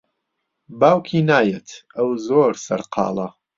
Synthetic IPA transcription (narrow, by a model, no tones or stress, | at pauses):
baːwkʰiːnaːjet̪ʰɐwzoːɾsɐ̰ɾqʰɑ̰ːlˠɐ